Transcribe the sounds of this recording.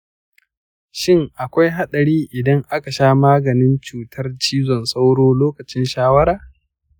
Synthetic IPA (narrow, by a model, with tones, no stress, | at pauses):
ʃɪ˦ŋʔa˨kʷa˦jɦa˦ɗɐ˨ɾiː˦ʔɪ˨dɐ˦ŋʔa˦ka˨ʃaː˦maː˦ɡɐ˨nɪ˦nt͡ʃuː˨tʰɐ˦rt͡ʃiː˦zɔ˨nsa˦wɽoː˦loː˦kɐ˨t͡ʃɪ˦nʃaː˦wɐ˦ɾaː˨